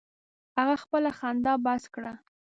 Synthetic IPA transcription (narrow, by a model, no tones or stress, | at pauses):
haɣaxpəlaxand̪ɑbaskɽa